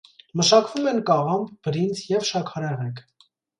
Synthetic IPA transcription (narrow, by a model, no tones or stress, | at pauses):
məʃɑkvumɛnkɑʁɑmbʰbəɾint͡sʰjɛvʃɑkʰɑɾɛʁɛkʰ